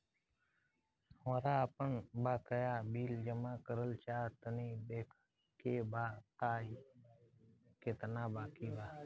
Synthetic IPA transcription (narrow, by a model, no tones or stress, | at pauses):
əɾaːəpəɳbaːkəjaːbiːld͡ʒəmãːkəɾəlt͡ʃaːt̪əniːd̪eːkʰ | keːbaːt̪aːi | ket̪naːbaːkiːbaː